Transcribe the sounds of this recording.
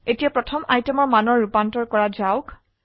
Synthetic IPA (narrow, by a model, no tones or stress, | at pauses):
etijapɹɔtʰɔmajtɛmɔɹmanɔɹːupantɔɹkɔɹazaʊk